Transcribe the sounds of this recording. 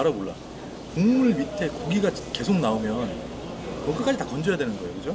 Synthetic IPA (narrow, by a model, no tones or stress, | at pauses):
aɾamoɭːa̰ | koŋmuɭmitʰe̞koɡiɡat͡ɕke̞sʰok̚naomjʌn | kʌkɯk͈ad͡ʑitakʌnd͡ʑʌjadwe̞nɯnɡʌokɯd͡ʑo